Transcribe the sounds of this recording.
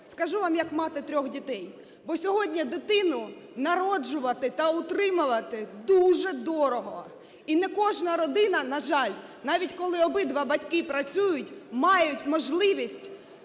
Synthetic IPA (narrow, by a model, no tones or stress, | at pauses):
skɐʒuʋɑmjɐkmɑt̪ɪt̪ɾʲɔxdʲit̪ɛj | bɔsʲɔɦɔdʲnʲɐd̪ɪt̪ɪnʊnɐɾɔd͡ʒʊʋɐt̪ɪt̪ɐʊt̪ɾɪmʊʋɐt̪ɪd̪uʒɛd̪ɔɾɔɦɔ | inɛkɔʒnɐɾɔd̪ɪnɐnɐʒɑlʲ | nɑʋʲitʲkɔlˠɪɔbɪd̪ʋɑbɐtʲkɪpɾɐt͡sʲujʊtʲmɑjʊtʲmɔʒlˠɪʋʲisʲtʲ